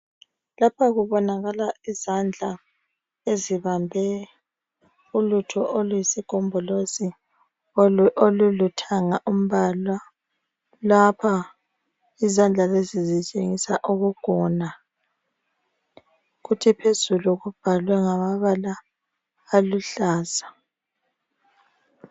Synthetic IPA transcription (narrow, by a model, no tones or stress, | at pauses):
lapʰaɣuβɔnaɣalaizand͡ɮʱa | eziβambʱɛ | ulutʰɔʔolujisikʼɔmbʱɔlozi | olulutʰaŋaʔum̩βalwa | lapʰa | izand͡ɮʱalezizit͡ʃʼeŋisaʔuɣuɡ̥ʱɔna | ɣutʰipʰezuluɣub̥ʱalwɛŋamaβalaː | luɬaːzḁ